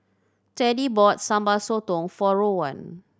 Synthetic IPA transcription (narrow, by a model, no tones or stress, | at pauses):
tɛdibɔt̚sãmbasot̪ɔ̃ŋfɔɹowã̰n